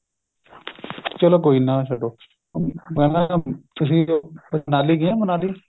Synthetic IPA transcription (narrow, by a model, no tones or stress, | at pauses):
t͡ʃəloːkoːiːnaːsəɖoː | mɛ̃ːlãt̪ʊs̬ĩːənaːliːɡɪãːmənaːliː